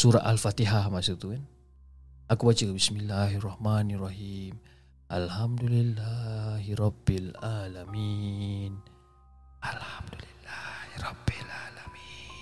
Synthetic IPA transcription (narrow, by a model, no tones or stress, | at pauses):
suɾaʔalfat̪iɦaɦmasut̪uen | akubat͡ʃiɡabismilːaɦirˤɑhmanirːaɦim | ʔalhamd̪ulilːaɦiɾɑbːilalamin | alhamd̪ulilːahiɾɑbilalami